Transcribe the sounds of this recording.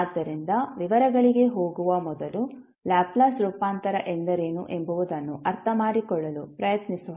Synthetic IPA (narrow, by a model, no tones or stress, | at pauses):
aːd̪ːɐɾind̪ɐʋiʋɐɾɐɡɐɭiɡe̞ɦo̞ːɡuʋɐmɔd̪ɐlu | laːplaːsʈɾupaːnt̪ɐɾɐʔend̪ɐɾe̞ːnṵʔembuʋud̪ɐnːuʔɐɾt̪ʰɐmaːɽikɔɭːɐlupɾɐjɐt̪nisuʋɐ